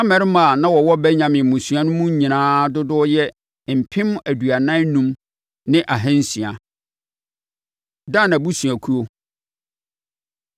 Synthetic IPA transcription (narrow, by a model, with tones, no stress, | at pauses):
ã˦mɛ̃˨˦ɾɪ˦mã˨nã˦wɔ˨wɔ˦bɛ˦ɲã˨mɪ̃˨mũ˨su˨a˦nʊ̃˦mũ˦ɲĩ˨nãː˦dʊ˦dʊ˦jɛ˦ | m̩˨pʰɪ̃˦m˦æ˨dɥa˨nã˦nũ˦m | nɪ̃˦ʔa˨ɦɛ̃˦n̩˦sĩ˨a˨ | da˦˨nã˨bu˦sũ˨a˨kʰu˦o˦